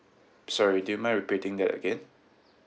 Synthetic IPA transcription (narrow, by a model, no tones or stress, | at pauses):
sɔɹiduumaɪɹipitɪ̃ŋd̪ɛtə̰ɡɛ̃n